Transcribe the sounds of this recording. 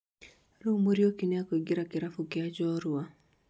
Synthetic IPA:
ɾomoɾjokinjakoɡɪɾakɪɾafukɪad͡ʒɔɾua

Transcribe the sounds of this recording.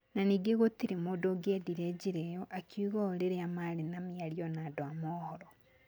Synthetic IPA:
naniːɡeɣotiɾemoːdoɡediɾɛd͡ʑiɾejɔʔakjuɣɔoɾeɾeamaɾenamiaɾiɔnaːdoamɔːhɔɾɔ

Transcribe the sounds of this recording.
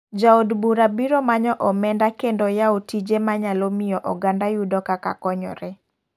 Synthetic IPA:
d͡ʒaodbuɾabiɾomaɲɔʔɔmɛndakendɔjaotid͡ʒemaɲalomɪjɔʔɔɡandajudɔkaka̰kɔɲɔ̰ɾɛ

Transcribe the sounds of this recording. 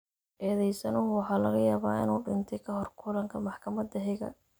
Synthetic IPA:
ʔɛːðɛjsɐnʊɦʊwɑħɑːlɐɣɐjaːβaːʔɪ̰nuːɖɪnt̪ʰɛjkʰɐɦɔrkʰʊlɐŋkʰɐmɑħkʰɐmɐd̪ɐɦɪɣɐ̰

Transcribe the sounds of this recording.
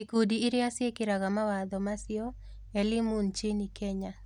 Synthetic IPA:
ikodiːɾɪasɪekɪɾaɡamawad̪ɔmasɪɔ | elɪmunt͡ʃenikeɲa

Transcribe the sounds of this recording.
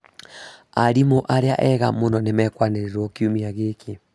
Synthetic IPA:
aɾimoʔaɾea̰ʔɛɣa̰monɔnemɛkwaneɾeɾɔkiumiaɣeːke

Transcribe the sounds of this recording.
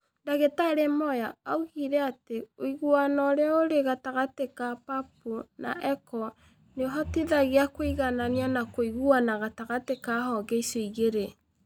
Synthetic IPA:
ndaɣetaɾemɔjaauɣiɾɛateoiɣuanɔɾeaoɾeɣataɣatekapap̚una̰ʔɛkɔ | neɦɔtiðaɣeakoiɣananianakoiɣuanaɣataɣatekahɔɡɛisoiɣeɾe

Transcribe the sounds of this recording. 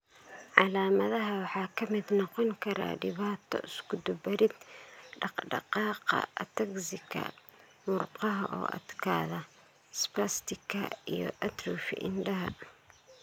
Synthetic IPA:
ʕɑlaːmɐðɐɦɐwɑħɑːkʰɐmɪd̪nɔqɔŋkʰɐɾa̰ːɖɪβaːt̪ʰɔ̰ʔɪskʰʊd̪ʊbɐɾɪd̪ɖɑqɖɑ̰qɑːqɑ̰t̪ʰɐksɪkʰɐ̰ | mʊrqɑɦɐʔɔ̰ːʔɐ̰d̪kʰa̰ːðɐ | spɐst̪ʰɪkʰɐijɔ̰ʔɐt̪rufɪ̰ʔɪnɖɐɦɐ

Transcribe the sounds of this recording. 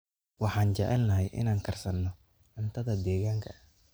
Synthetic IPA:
wɑħɑːnt͡ʃɑ̰ʕɪlnɐɦɛjʔɪ̰naːŋkʰɐrsɐnːɔ | ʕʊnt̪ʰɐðɐd̪ɛːɣaːŋkʰɐ

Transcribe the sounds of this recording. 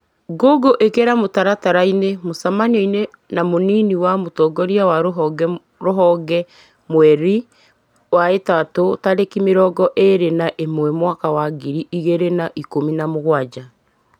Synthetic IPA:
ɡoɡoʔekeɾamotaɾataɾainemosamanoine | namoniniwamotɔɡɔɾiawaɾɡ | ɾoɦɔɡɛ | mwɛɾi | waetatotaɾekimeɾɔɡɔʔeɾenaʔemwɛmwakawaɡiɾiʔiɣeɾenaʔikominamoɣwad͡ʒa

